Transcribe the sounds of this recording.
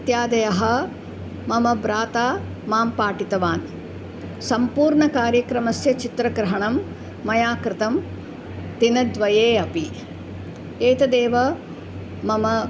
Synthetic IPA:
t̪jaːd̪ɐjɐɦɐ | mɐmɐbɾaːt̪aː | maːmpaːʈit̪ɐʋaːn | sɐmpuːɾɳɐkaːɾjɐkɾɐmɐsjɐt͡ʃit̪ɾɐkɾɐɦɐɳɐmː | ɐjaːkɾɪt̪ɐm | t̪inɐd̪ʋɐjeːɐpi | eːt̪ɐd̪eːʋɐ | mɐmɐ

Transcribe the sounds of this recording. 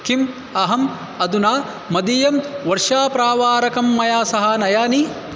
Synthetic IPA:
kim | ɐɦɐm | ɐd̪unaː | ɐd̪ijɐmʋɐɾʂaːpɾaːʋaːɾɐkɐmːɐjaːsɐɦɐnɐjaːni

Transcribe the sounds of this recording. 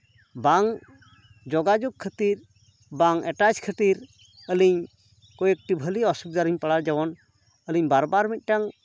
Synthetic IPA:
baŋ | d͡ʒɔɡad͡ʒɔɡ̚kʰːət̪iɾ | baŋɛʈat͡ʃkʰət̪iɾ | əliɲ | kɔjək̚ʈibʱəliɔsuk̚d̪aɾiɲpəɽaɾd͡ʒawɔn | əliɲbaɾbaɾmit̪̚ˀʈaŋ

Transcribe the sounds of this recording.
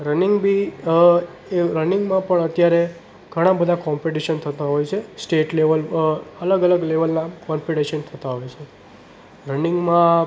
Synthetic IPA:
ɾənɪŋɡbʱi | eɾənɪŋɡmãpəɳət̪jaɾe | ɡ̥ʱəɽ̃ãbəd̪ʱakɔmpiʈiʃənt̪ʰət̪aɦojt͡ʃʰesʈeʈleʋələləɡələɡleʋəlnakɔmpiʈeʃənt̪ʰət̪aɦojt͡ʃʰe | ɾənɪ̃ŋɡmã

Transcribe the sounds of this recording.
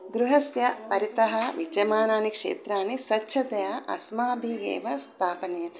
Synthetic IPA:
d̪ɾuɦɐsjɐpɐɾit̪ɐɦɐ̆ʋid͡ʒɐmaːnaːnikʂḛːt̪ɾaːnisɐtːʃʰɐt̪ɐjaʔɐ̰smaːbʱiɡḛːʋɐst̪ʰaːpɐnjɐ

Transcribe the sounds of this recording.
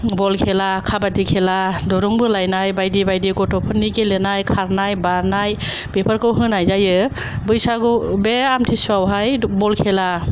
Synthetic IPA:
bɔlkʰelakʰabadikʰeladɔɾuŋbɯlajnajbajdibajdiɡɔtɔpʰɯnːikelenajkʰaɾnajbaɾnaj | b̥epʰaɾkɯwɦɯnajzajɯ | bɯjsaɡubeamtʰisuawɦajbɔlkʰela

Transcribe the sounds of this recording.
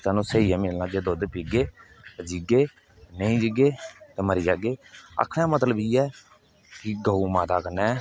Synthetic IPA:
t̪aːnũːsəːiːãːmɪlnaːɡeːd̪oːd̪piːɡeː | t̪ɛd͡ʒiɡeː | nəĩːd͡ʒɪɡeːt̪ɛːməɾiːd͡ʒaːɡeːə̰kʰɽ̃ɛ̃ːmət̪ləbiːɛː | kɪɡəuːmaːt̪aːkənːɛ̃ː

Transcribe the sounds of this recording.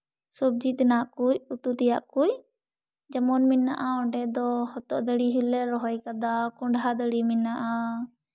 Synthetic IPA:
sɔb̚d͡ʒit̪naʔkujut̪ut̪ɛjaʔkuj | d͡ʒamɔnminːaʔaɔɳɖɛd̪ɔhɔt̪ɔʔd̪əɽiɦilɛɾɔɦɔjkad̪akɔɳɖɦad̪əɽiminːaʔa

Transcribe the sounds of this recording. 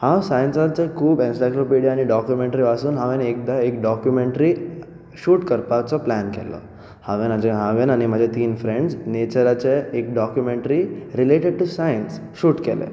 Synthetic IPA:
hãwsajnsat͡sekʰuːbensajkɾopeɖijaːniɖɔkjumẽɳʈɾiʋasuːnɦãʋenek̚d̪aekɖɔkjumẽɳʈɾi | ʃuːʈkəɾpat͡sɔplankɛ̰lɔ̰ | haʋenad͡ʑeɦaʋenañimaːd͡ʑet̪iːnfɾẽɳɖznet͡ɕəɾat͡ɕeek̚ɖɔkjumẽɳʈɾiɾileʈeɖ̚ʈusajəns | ʃuːʈkɛlḛ

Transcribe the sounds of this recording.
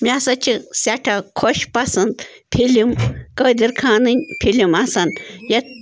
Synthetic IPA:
miasɐt͡ʃʰisʲaʈʰɐkʰoʃpɐsɨnd̪ | pʰilimkɐd̪iɾkʰaːnɨnʲpʰilʲimɐsɐnjɐt̪̚

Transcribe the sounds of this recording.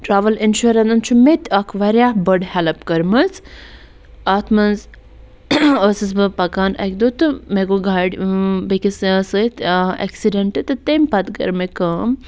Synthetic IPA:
ʈɾaːʋɐlinʃuɾɐnɐnt͡ʃʰumet̪ʲɐkʰʋɐɾʲaːhbəɖhɛlɐpkɐɾmɐz | at̪ʰmɐnz | əsɨs̬bɨpɐkaːnɐ̰k̚ʲd̪ot̪ɨmeɡoɡaːɖʲbekʲissət̪ʰḛksiɖɐɳʈɨt̪ɨt̪emʲpɐt̪ɡɐ̰ɾmekɐːm

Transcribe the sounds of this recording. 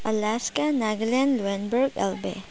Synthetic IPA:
ɐlaskanaɡlɛnluenbuɾɡḛlbḛ

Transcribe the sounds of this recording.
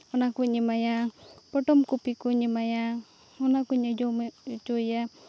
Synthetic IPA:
unakuɲimajapɔʈɔmkupikuɲimaja | unakuɲad͡ʒomt͡ʃoja

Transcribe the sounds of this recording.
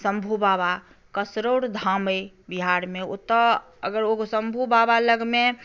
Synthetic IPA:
sə̃mbʱubaːba | kəsɾoːɾd̪ʱãme | biɦaɾmẽot̪ɔ | əɡəɾosə̃mbʱubaːbaləɡmẽ

